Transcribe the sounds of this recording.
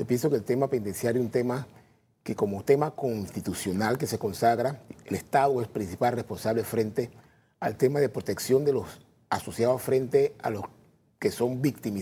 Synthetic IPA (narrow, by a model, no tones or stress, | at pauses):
sepje̞nso̞kelt̪e̞mapend̪ensjaɾjunt̪ema | ke̞ko̞mot̪e̞mako̞nst̪it̪usjo̞nalke̞se̞ko̞nsaɣɾaelest̪aðoespɾinsipalrespo̞nsaβlefɾe̞nt̪e̞ | alt̪e̞maðe̞pɾot̪e̞ksjo̞nd̪elos | aso̞sjaðosfɾe̞nt̪e̞a̰lo̞s | keso̞mbikt̪imi